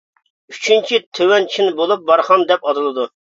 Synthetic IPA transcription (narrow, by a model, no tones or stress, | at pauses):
yt͡ʃʰynt͡ʃʰit̪ʰøwɛnt͡ʃʰinɪbolˠup̚bɑɾχɑnd̪ɛpɑd̪ɨlˠɨd̪u